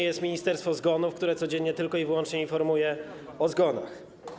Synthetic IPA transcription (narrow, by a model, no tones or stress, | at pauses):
jɛst̪mʲiɲist̪ɛɾst̪fɔzɡɔnufkt̪uɾɛt̪sɔd͡ʑeɲːɲɛt̪ɘlkɔivɘwɔnt͡ʂɲɛinfɔɾmujɛ | ɔzɡɔna̰x